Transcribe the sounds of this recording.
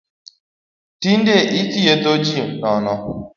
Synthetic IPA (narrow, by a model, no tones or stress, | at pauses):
tin̩deʔitijetod͡ʒinɔnɔ